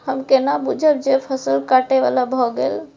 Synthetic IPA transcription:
həmkenabud͡ʒʱəb̚d͡ʒepʰəsəlkaʈeʋa̰labʱɔɡḛl

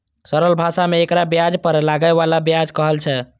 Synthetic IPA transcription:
səɾəlbʱasameːkɾabjad͡ʒpəɾlaɡəeβalabjad͡ʒkəɦəlt͡ʃʰɛ

